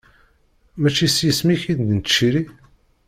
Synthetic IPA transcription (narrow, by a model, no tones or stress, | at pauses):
mæt͡ʃːisjəsmiçid̪d̪nt̪ʃiɾi